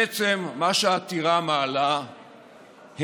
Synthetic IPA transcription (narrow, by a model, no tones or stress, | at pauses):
et͡se̞mːaʃeat̪iʁamaːla | h